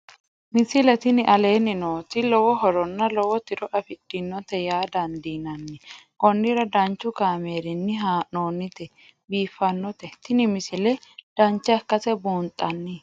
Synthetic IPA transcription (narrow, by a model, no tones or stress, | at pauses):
mɪsɪlɛt̪ɪnɪʔɐle̞ːnɪnoːt̪ɪlɔwɔɦɔɾɔnːɐlɔwɔt̪ɪɾɔʔɐfɪd̥ːɪnːɔt̪ɛjaːd̪ɐnd̪iːnɐnːɪʔɔnːɪɾɐd̪ɐnt͡ʃːʊkaːmeːɾɪnːɪɦaːno̞ːnɪt̪ɛ | biːfːɐnːɔt̪ɛt̪ɪnɪmɪsɪlɛd̪̥ɐnt͡ʃːɛɐkːɐsɛbuːnt̪ʼːɐnːɪ